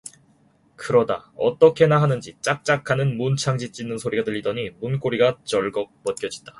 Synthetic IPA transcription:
kɯɾʌda̰ʌt͈ʌkʰe̞naɦanɯnd͡ʑit͡ɕ͈ak̚t͡ɕ͈akʰanɯnmunt͡ɕʰaŋd͡ʑit͡ɕ͈inːɯnsʰoɾiɡadɯʎːidʌɲimunk͈oɾiɡat͡ɕʌɭɡʌk̚pʌt̚k͈jʌd͡ʑida

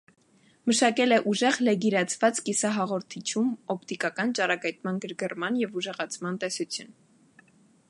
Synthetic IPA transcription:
məʃɑkɛlɛʔuʒɛʁlɛɡiɾɑt͡sʰvɑt͡skisɑɦɑʁɔɾt̪ʰit͡ʃʰumɔp̚ʰt̪ikɑkɑnt͡ʃɑrɑkɑjt̪̚mɑnɡəɾɡərmɑnjɛvuʒɛʁɑt͡sʰmɑnt̪ɛsut͡sʰjun

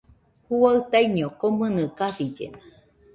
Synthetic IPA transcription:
huaɨt̪ajɲokomɨ̃nɨkasid͡ʒḛna

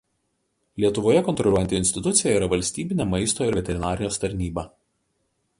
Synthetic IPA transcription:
lʲiɛt̪ʊʋoːjɛkɔnt̪ɾɔlʲuɔjɛnt̪ʲɪɪnʲsʲt̪ʲɪt̪ʊt̪sʲɪjɛiːɾɐʋɐlʲsʲt̪ʲiːbʲɪnʲemɐɪst̪oːɪɾʋʲɛt̪ʲɛɾʲɪnɑːɾʲɪj̪ʲoːst̪ɐɾʲnʲiːbɐ

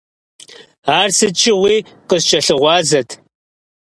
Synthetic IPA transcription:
aːrsɨt͡ʃʼɪʁʷiː | qəzt͡ʃʼɐɬɨʁʷɑːzɐtʰ

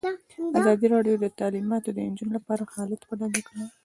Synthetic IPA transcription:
azɑd̪iɾɑɖjod̪ət̪alimɑt̪od̪ənd͡ʒunolapɑɾaxɑlɪd̪xaɽɑlikɽa

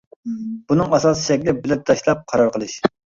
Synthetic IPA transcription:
bunɨŋɑsɑsɨ̥ʃɛkʲlɪbɪlɛp̚t̪ʰɑʃlˠɑp̚qʰɑɾɑɾqəlˠɨʃ

